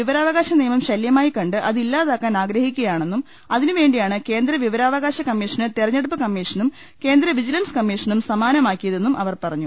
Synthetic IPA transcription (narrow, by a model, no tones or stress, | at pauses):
ʋiʋɐɾaːʋɐɣaːɕɐniːjɐmɐmɕɐljɐmaːjikɐɳɖɨʔɐðilːaːðaːkːaːnaːɡɾɐhikʲːuɣɐjaːɳe̞nːum | ɐðinɨʋe̞ːɳɖijaːɳɨke̞ːnd̪ɾɐʋiʋɐɾaːʋɐɣaːɕɐkɐmːiːʂɐnɨt̪irɐɲːeɽup̬ːɐkɐmːiːʂɐnum | ke̞ːnd̪ɾɐʋid͡ʑilɐnskɐmːiːʂɐnumsɐmaːnɐmaːkːijɐðe̞nːumʔɐ̰ʋɐrpɐrɐɲːu